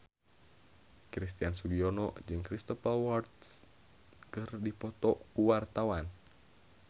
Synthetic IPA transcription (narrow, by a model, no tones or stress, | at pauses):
kɾist̪iansuɡiɔnɔʔd͡ʒɨŋkɾist̪ɔpawart̪s | kɨrdipɔt̪ɔʔkuwart̪awan